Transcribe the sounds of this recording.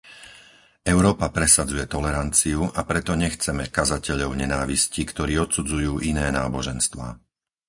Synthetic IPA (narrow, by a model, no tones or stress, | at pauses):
ɛʊɾɔːpapɾɛsad͡zujɛt̪ɔlɛɾant͡siuʔapɾɛt̪ɔɲɛxt͡sɛmɛkazacɛʎɔʊɲɛnaːʋiscikt̪ɔɾiːɔt̪sud͡zujuːʔinɛːnaːbɔʒɛnst̪ʋa̰ː